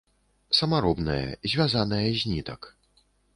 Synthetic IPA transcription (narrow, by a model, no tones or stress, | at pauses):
sɐmaɾɔbnɐjɛ̰zʲvʲazanɐjɐzʲnʲit̪ɐk